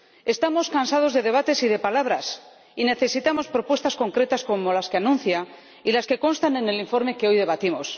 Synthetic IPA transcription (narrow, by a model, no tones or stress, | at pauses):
e̞st̪amo̞skansað̞o̞zðe̞ðe̞β̞at̪e̞siðe̞palaβ̞ɾas | ine̞θe̞sit̪amo̞spɾo̞pwest̪asko̞ŋkɾe̞t̪asko̞mo̞laske̞anũnθja | ilaske̞ko̞nst̪ane̞ne̞liɱfo̞ɾme̞ke̞o̞jðe̞β̞at̪imo̞s